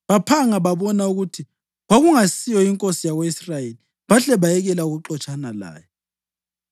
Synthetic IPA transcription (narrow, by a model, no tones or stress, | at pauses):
βapʰaŋaβaβɔnauɣutʰi | ɣaɣuŋasijɔiŋkʼosijaɣweisrajeli | βaɬɛβajɛɣɛlauɣuǁɔt͡ʃʼanala̰ːjɛ